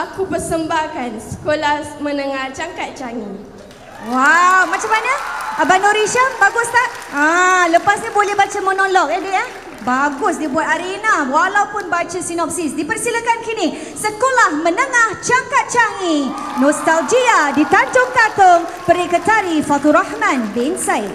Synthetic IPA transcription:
akupərsəmbahkansə̥kolahmənəŋaht͡ʃaŋkat̪̚t͡ʃaŋi | wawmat͡ʃamːaɲəabanɔɾiʃabaɡʊst̪aʔãləpasɲibolɛhbat͡ʃamənɔlɔk̚adiah | baɡʊsdibuat̪̚aɾinawalawpʊnbat͡ʃasinɔp̚sisdipərsiləkankini | səkolahmənəŋaht͡ʃaŋkat̪̚t͡ʃaŋi | nɔst̪ald͡ʒiadit̪and͡ʒʊŋkat̪ɔŋpəɾikət̪aɾifat̪uɾahmãndiinsajt̚

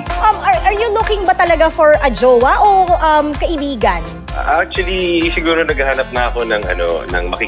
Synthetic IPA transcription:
ʔɐmɐɹʔɐɹjʊlʊkɪŋbɐt̪ɐlɐɡafɔɹʔɐd͡ʒoːwɐʔoʔɐmkɐʔɪbiːɡɐn | ʔak̚t͡ʃwɐlisɪɡuːɾonɐɡɐhaːnɐp̚nɐɐko̞nɐŋʔɐ̰no̰nɐ̰ŋmɐki

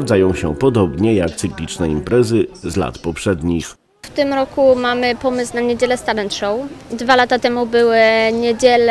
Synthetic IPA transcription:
vd̪zajɔ̃w̃ɕɛ̰pɔd̪ɔbɲɛjak̚t̪sɘklʲit͡ʂnɛimpɾɛzɘzla̰t̪pɔpʂɛd̪ɲix | ft̪ɘmɾɔkumamɘpɔmɘsnaɲed͡ʑɛlɛst̪aɾɛnt̪ʂɔwd̪valat̪at̪ɛmubɘwɘɲed͡ʑɛl

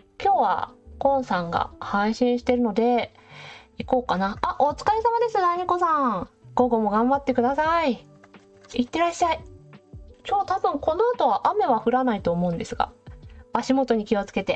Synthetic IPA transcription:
kʲo̞ːβa̰kõ̞ɰ̃sãŋɡa̰haiɕĩɰ̃ɕi̥t̪e̞ɾɯ̟no̞d̪e̞ | iko̞ːkanaaʔo̞t͡sɨ̥kaisamad̪e̞sɨnaiɲ̟iko̞sãɡ̥o̞ɡo̞mo̞ɡãmbat̪ːe̞kɯ̟d̪asai | it̪ːe̞ɾaɕːai | kʲoːt̪abɯ̟̃ŋko̞no̞at̪o̞βaʔame̞βaɸɯ̟ɾanait̪o̞ːmo̞ɯ̟̃nd̪e̞sɨɡa̰b̥aɕimo̞t̪o̞ɲ̟ikʲio̞t͡sɨ̥ke̞t̪e̞

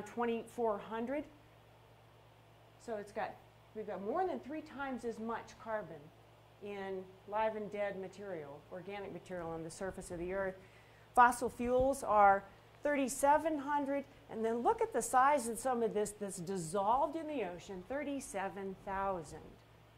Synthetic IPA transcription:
tʰw̥ɛ̃ɾ̃ifɔɹɦʌ̃ndɹɨd̥̚ | soʊɨtsɡ̥ɑt̚ | wivɡɑt̚mɔɹðɨ̃nθɹitʰãɪ̃mzɨzmʌt͡ʃkʰɑɹbɨ̃n | ɪ̃nlaɪvɨ̃ndɛd̚mɨtʰɪɹil̩ˠɔɹɡænɨk̚mɨtʰɪɹil̩ˠə̃nðɨsɜ˞fɨsʌvðiɜ˞θ | fɑsl̩ˠfjulˠzə˞ | θɜ˞ɾisɛvɨ̃nɦʌ̃ndɹɨɾ | ʔɨ̰̃nðɨ̃nlʊkɨt̪̚ðɨsaɪzʌv̥sʌ̃mʌvðɪsðɨtsd̥ɨzɑlˠvdɨ̃nðioʊʃɨ̃nθɜ˞ɾisɛvɨ̃nθaʊzɨ̰̃nd̥

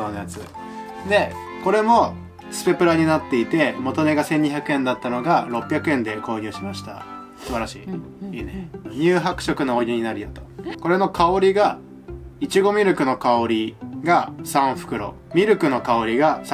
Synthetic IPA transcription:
oːnojat͡sɨ | d̪e̞ | ko̞ɾe̞mo̞ | t͡sɨ̥pe̞pɯ̟ɾaɲ̟inat̪ːe̞it̪e̞mo̞t̪o̞ne̞ɡasẽ̞ɲ̟ːiçʲakɯ̟ẽ̞nd̪at̪ːano̞ɡaɾo̞pːʲjakɯẽ̞nd̪e̞ko̞ːɲʲɨ̟ːɕimaɕi̥t̪a̰ | sɨβaɾaɕiː | iːneɲ̟ɨːɦakɯ̟̥ɕo̞kɯ̟no̞oɡʲiɲ̟inaɾʲijot̪o̥ko̞ɾe̞no̞kao̞ɾʲiɡa | it͡ɕiɡo̞mʲiɾɯ̟kɯ̟no̞kao̞ɾʲiɡasãɰ̃ɸɯ̥kɯ̟ɾo̞̰ | mʲiɾɯ̟kɯ̟no̞kao̞ɾʲiɡas

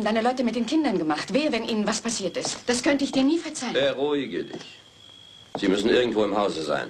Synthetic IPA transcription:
n̩daɪnəlɔʏtəmɪt̚d̥eːnkʰɪndɐnɡəmaχtv̥eːɐvɛnʔiːnənvaspʰasiːɐtɪstd̥askʰœntəɪçd̥iːɐniːfɛɐt͡saɪlɛʁuːɪɡə̰ɪ̰ç | z̥iːmʏsn̩ʔɪɐɡŋ̩tv̥oːɪmhaʊzəza̰ɪn

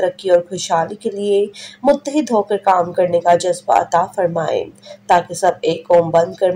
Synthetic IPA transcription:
ɐɾəkːiɔːɾkʰʊʃaːlikeliemʊt̪ːəɦid̪ʱɦoːkəɾkaːmkɐɾnekad͡ʒɐzba̰ɐ̰t̪afɐɾmaːḛːt̪aːkisɐb̚eːkɔːmbɐ̃nd̪̚kɐɾn

